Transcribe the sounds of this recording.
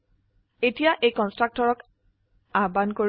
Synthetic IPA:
etijaʔejkɔnstɹak̚tɔɹɔk | abankoɹ

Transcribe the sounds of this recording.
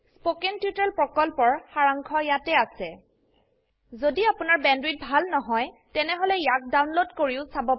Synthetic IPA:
spokɛntiutalpɹɔkɔlpɔɹxaɹaŋkʰɔjatɛasɛ | zodiapʊnaɹbɛndɹit̚bʱalnɔɦɔjtɛnɛɦolɛjak̚dawnlodkoɹiʊsabɔ

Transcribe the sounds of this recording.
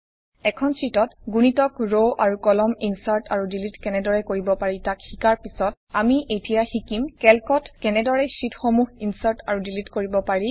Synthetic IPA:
ɛkʰɔnsɹitɔtɡunitɔkɹoʔaɹukɔlɔminsaltʰaɹudilitkɛnɛdɔɹɛkoɹibɔpaɹitakxikaɹpisɔt̚ | amiʔejtijaxikimkɛlkɔtkɛnɛdɔɹɛsitxomuɦinsaɹtaɹudilitkoɹibɔpaɹi

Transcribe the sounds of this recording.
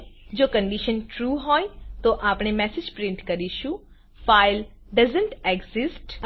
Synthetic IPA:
d͡ʒoːkə̃ɳɖiʃənʈɾuːɦɔːjt̪oʔaːpɳ̃emɛːsɪd͡ʒpɾɪ̃ɳʈkɐɾiʃũ | faːɪl | ɖɐzə̃ɳʈeɡzɪsʈ

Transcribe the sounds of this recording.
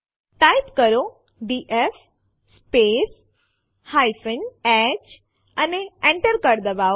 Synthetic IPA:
ʈaːjpkəɾo | ɖiːʔef | speːs | hajfənɛt͡ʃ | əneẽɳʈəɾkəɾd̪əbaː

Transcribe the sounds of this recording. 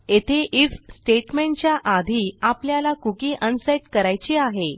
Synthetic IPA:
et̪ʰeʔifsʈeʈmẽɳʈt͡ɕjaʔad̪ʱiːapljalakukiːʔənseʈkəɾajt͡ɕiaɦe

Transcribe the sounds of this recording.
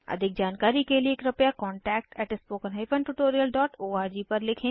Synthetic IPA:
ɐ̰d̪ʱɪk̚d͡ʒaːnkaːɾikelieːkɾɐpjakɔːɳʈɛːk̚ʈɛːʈɪspoːkənɦaɪpʰə̃nʈʊʈoːɾijəlɖɔːʈoːaːɾd͡ʒiːpɐɾlɪkʰẽː

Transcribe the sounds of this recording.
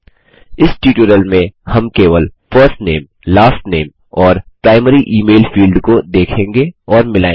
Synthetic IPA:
ɪsʈiːʈuɾəlmẽhɐmkeːʋəlfʰəɾsʈneːm | laːsʈneːm | ɔːɾpɾaːɪməɾiʔiːmeːlfiːlɖkod̪eːkʰẽːŋɡeɔːɾmɪlaẽŋ

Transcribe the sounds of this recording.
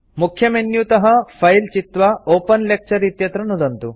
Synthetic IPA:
mukʰːjɐmenjut̪ɐɦɐpʰɐjlt͡ʃit̪ʋɐoːpɐnlek̚t͡ʃɐɾit̪jɐt̪ɾɐnːud̪ɐnt̪u

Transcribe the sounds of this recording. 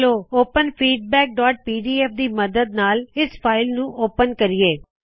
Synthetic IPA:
loːoːpənpʰiːɖ̚bɛːk̚ɖaːʈ̚piːɖiːɛːfd̪iːməd̪əd̪̚naːlɪspʰaːɪlnũːʔoːpənkəɾɪjeː

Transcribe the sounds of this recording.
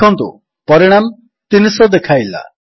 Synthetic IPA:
ɔnt̪ṵ | pɔɾiɽ̃am | t̪inisɔd̪ekʰajla̰

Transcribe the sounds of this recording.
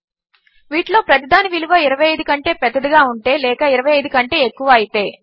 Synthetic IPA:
ʋiːʈlo̞ːpɾɐt̪id̪aːniʋiluʋɐiɾɐʋɐjɐjd̪ukɐɳʈe̞ːpɛd̪ːɐd̪uɡaːuɳʈe̞ːlɛːkɐiɾɐʋɐjɐjd̪ukɐɳʈe̞ːekːuʋɐːjit̪e̞ː

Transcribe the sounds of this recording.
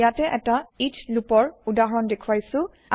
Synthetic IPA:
atɛʔɛtaitʰlupɔɹudaɦɔɹɔndekʰuwajsʊ̃ | a

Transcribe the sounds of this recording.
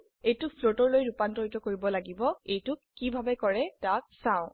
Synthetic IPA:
ejtʊpʰlotɔɹlojɹupantɔɹjtɔkoɹibɔlaɡibɔejtʊkibʱabɛkɔɹɛtak̚sãʊ̃

